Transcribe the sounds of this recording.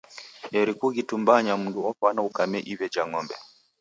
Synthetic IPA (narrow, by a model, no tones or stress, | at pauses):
ɛɾikuɣitumbaɲam̩nduɔfanaukamɛʔiβɛd͡ʒaŋɔmbɛ̰